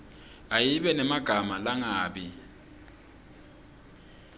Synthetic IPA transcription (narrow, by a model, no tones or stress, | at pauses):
ajiβɛnɛmaɡ̥ʱamalaŋaːɓi